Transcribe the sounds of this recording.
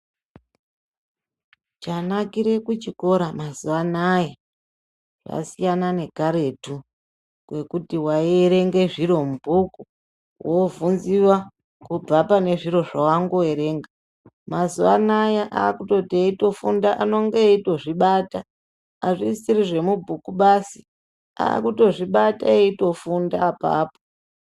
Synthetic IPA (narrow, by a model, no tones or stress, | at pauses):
t͡ʃanakiɾe̞kut͡ʃiko̞ɾamazuanaja | ʐa̰sijanane̞kaɾe̞tu | kwe̞kutiwaieɾe̞ŋɡe̞ʐiɾo̞mubʱuku | wovunziwa | kub͡vapane̞ʐiɾo̞ʐawaŋɡo̞eɾe̞ːŋɡa | mazuanajaʔa̰ːkuto̞tieito̞fundaʔano̞ŋɡeito̞ʐiɓata | aʐisiɾiʐe̞mubʱukuɓasi | a̰ːkuto̞ʐiɓataeito̞fundaːpa̰ːpo̥